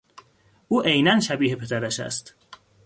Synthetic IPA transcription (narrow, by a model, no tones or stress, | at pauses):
ʔuːʔejnænʃæbiːhe̞pʰe̞d̪æɾæʃæ̰st̪